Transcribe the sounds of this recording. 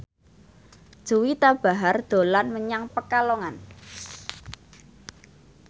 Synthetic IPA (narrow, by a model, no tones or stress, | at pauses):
d̥ʒ̥uwit̪ab̥a̤ɦard̪̥o̤lanməɲaŋpəkaloŋan